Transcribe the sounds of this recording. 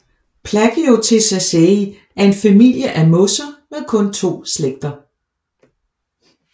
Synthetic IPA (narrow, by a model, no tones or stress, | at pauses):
pʰlæɡ̥əjot͡sʰe̝sæsei | æɐe̝nfæmil̰jəʔæmɔ̽sɐmeðˠkʰɔ̽nt͡sʰo̝̰ːsleɡ̥̚d̥ɐ